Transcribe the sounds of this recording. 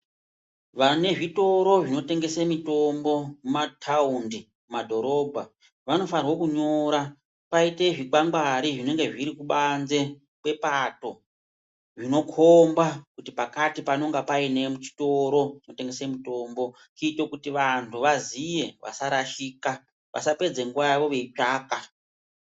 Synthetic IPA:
ʋane̞ʐito̞ɾo̞ʐino̞te̞ŋɡe̞semito̞mbo̞mumatʰaundi | umadʱo̞ɾo̞ːbʱa | ʋano̞farwo̞kuɲo̞ɾa | paite̞ʐiɡaŋɡwaɾiʐine̞ŋɡe̞ʐiɾikuɓanze̞ | kwe̞pato̞ | ʐino̞kʰombakutipakatipano̞ŋɡapaine̞mut͡ʃi̥to̞ɾo̞t͡ʃino̞te̞ŋɡe̞semuto̞mbo̞ | kitokutiʋantʰuʋazije̞ʋʔa̰saɾaʃiːka | ʋʔa̰sape̞d͡ze̞ŋɡuʋajaʋo̞ʋe̞it͡ʃaːka

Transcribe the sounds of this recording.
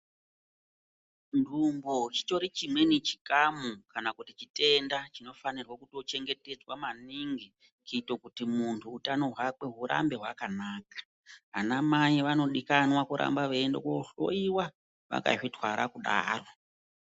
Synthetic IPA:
ndʱumbot͡ʃi̥to̞ɾit͡ʃimwe̞nit͡ʃi̥kamukanakutit͡ʃite̞ndat͡ʃino̞fanirwakuto̞t͡ʃe̞ŋɡe̞te̞d͡zwamaniŋɡi | kitokutimuntʰuːtano̞ɦwake̞ɦuɾa̰mbe̞ɦwakanaːkḁ | anamaiʋano̞ɗikanwakuɾʔa̰mbaʋeendo̰koɬo̰iwa | ʋa̰ka̰ʐitwaɾakuɗa̰ːro̞

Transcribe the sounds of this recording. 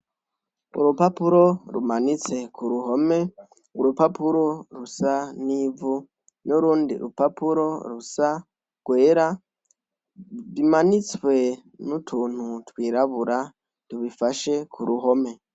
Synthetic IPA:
ṵɾupapuɾo̞ɾṵmanit͡se̞kʰuɾuɦo̞me̞ | uɾupapuɾo̞ɾusaniːvu | nuɾuːndḭɾṵpapuɾo̞ɾusa | ɡ̥we̞ːɾa | βimanit͡swe̞nutʰuːn̥hutwiːɾaβuɾa | tuβifaʃe̞kʰuɾuɦo̞me̞

